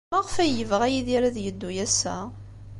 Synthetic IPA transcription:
mæʁfæjəvʁæjiðiɾæðjəd̪ːujæsːæ̰

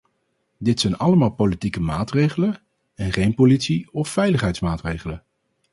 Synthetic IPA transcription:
dɪtsɛjnɑləmaːlˠpolitikəmaːtrejχələn | ɛnχejnpolitsiɔfːɛjləχɦɛjtsmaːtrejχələn

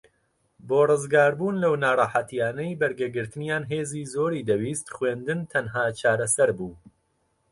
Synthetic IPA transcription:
boːrɨzɡaːɾbuːnlɐwnaːrˤɑːħat̪ijaːnɐjbɐɾɡɐɡɨɾt̪ɨnjaːnɦeːziːzoːɾiːd̪ɐwiːst̪χweːnd̪ɨnt̪ʰɐnɦaːt͡ʃʰaːɾɐsɐɾbuː

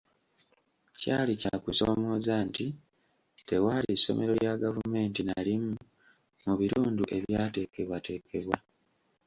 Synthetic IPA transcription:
caːlicakuso̞̰mo̞ːzaːnti | te̞waliso̞̰me̞̰ɾo̞ɾjaɡavume̞ːntinalimu | muβiɾuːnduʔe̞βjaːte̞ːke̞βwate̞ːkʰe̞βwa

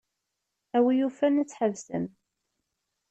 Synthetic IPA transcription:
æwijufænæt͡sːħəvsə̰m

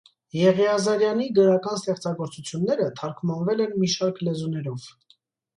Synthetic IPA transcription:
jɛʁiɑzɑɾjɑniɡəɾɑkɑns̬t̪ɛχt͡sɑɡɔɾt͡sut͡sʰjunːɛɾət̪ʰɑɾkʰmɑnvɛlɛnmiʃɑɾkʰlɛzunɛɾɔv̥

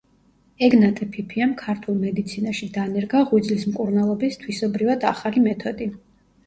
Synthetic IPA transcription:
ɛɡnat̪ʼɛpʰipʰiamkʰaɾt̪ʰulˠmɛd̪it̪sʰinaʃid̪anɛɾɡaʁwid̪zlismkʼuɾnalˠɔbist̪ʰwisɔbɾivad̪aχalimɛt̪ʰɔd̪i

